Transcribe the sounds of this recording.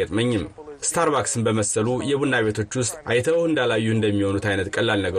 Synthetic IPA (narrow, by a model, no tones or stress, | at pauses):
ət̪ʼməɲːɪmst̪ʰaɾβaksɨnbəməsəlujɛβunːaβe̞t̪ʰo̞t͡ʃːwʊst̪ʼʔajt̪ʰəwɨnd̪alajːuɨnd̪əmːiho̞nut̪ajnət̪kʼəlːalnəɡə